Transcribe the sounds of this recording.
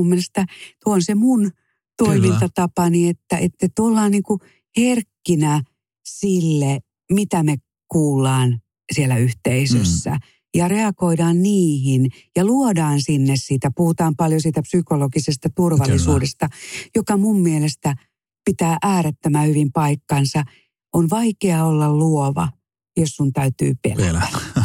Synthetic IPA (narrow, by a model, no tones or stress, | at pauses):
umːielest̪æt̪uoonsemun | t̪oimint̪ɑt̪ɑpɑniet̪ːæʔet̪ːet̪ulːɑːnniːŋku | herkːinæ | silːe | mit̪æme | kuːlːɑːn | sielːæyht̪eisøsːæ̰ | jɑreɑkoidɑːnniːhin | jɑluodɑːnsinːessiːt̪æpuhut̪ɑːmpɑljosiːt̪æpsykolokisest̪ɑt̪urʋɑlːisuːdest̪ɑjokɑmumːielest̪æ | pit̪æːʔæːɾet̪ːømæhyʋimpɑikːɑnsɑ | ʔonʋɑikeɑolːɑlluoʋɑ̰ | jossunt̪æyt̪y̰ːpḛlæ